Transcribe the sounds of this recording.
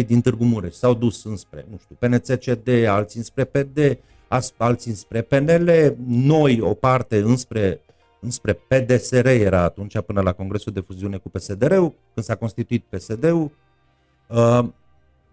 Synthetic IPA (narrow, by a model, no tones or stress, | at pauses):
jd̪int̪ɨrɡumuɾeʃsawd̪usɨnspɾe̞̰nuʃt̪iupe̞net̪set͡ʃed̪e̞alt̪sinspɾe̞ped̪e̞ | asalt̪siɨnspɾe̞pe̞ne̞le̞no̞jo̞̰part̪e̞ɨnspɾe̞ | ɨnspɾe̞pe̞d̪e̞se̞ɾe̞je̞ɾaːt̪unt͡ʃapɨnəlako̞ŋɡɾe̞suld̪e̞fuziune̞kupe̞se̞d̪e̞ɾe̞u | kɨnd̪sako̞nst̪it̪uit̪̚pe̞se̞d̪e̞ul | ə